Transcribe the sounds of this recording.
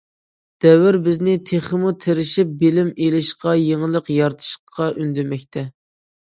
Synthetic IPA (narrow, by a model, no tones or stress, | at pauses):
d̪̥ɛwɪɾbɪznɪt̪ʰeχəmut̪ʰeɾɪʃip̚bɪlɪmelɪʃqɑjeŋəlˠəqjɑɾt̪ʰɨ̥ʃqʰːɑʔynd̪emɛkʲt̪ʰɛ